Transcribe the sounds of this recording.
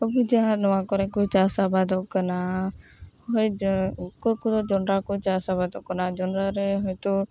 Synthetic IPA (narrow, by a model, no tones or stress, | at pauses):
kɔbud͡ʒaɦãnɔwakɔɾɛkɔt͡ʃasabad̪ɔʔkana | hɔjkɔjkud̪ɔd͡ʒɔnɾakɔt͡ʃasabad̪ɔʔkanad͡ʒɔnɾaɾɛɦɔjt̪u